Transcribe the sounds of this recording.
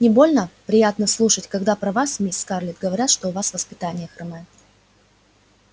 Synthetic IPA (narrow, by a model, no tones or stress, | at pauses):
nʲɪbo̞lʲnəpɾʲɪjat̪nəslˠuʂətʲkɐɡd̪apɾɐvasmʲisʲskarlʲɪt̪̚ɡəvɐɾʲat̪ʂt̪oʊvasvəspʲɪt̪anʲɪjəxɾɨmɛ